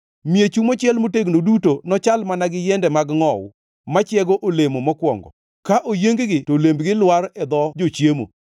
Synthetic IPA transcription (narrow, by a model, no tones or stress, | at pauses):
miet͡ʃumot͡ʃɪɛlmoteɡnodutonɔt͡ʃalmanaɡɪjɛndɛmaɡŋɔw | mat͡ʃjɛɡoʔolemomɔkwɔ̰ŋɡɔ̰ | kaʔojeŋɡɡɪtolembɡɪlwaɾɛd̪ɔd͡ʒot͡ʃjemo̰